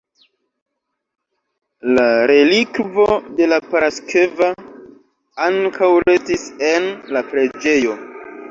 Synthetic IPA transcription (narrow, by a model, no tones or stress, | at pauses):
laɾe̞likvo̞de̞lapaɾaskeva | aŋkʰawɾe̞stise̞nlapɾe̞d͡ʒe̞jo̞